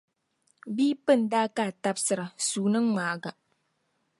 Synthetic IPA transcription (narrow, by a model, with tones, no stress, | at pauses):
biː˦pɨ˦˨ndaː˦kaː˦˨ta˦bsɨ˨ɾa˨suː˨nɨ˦ŋːaː˨ɡa˨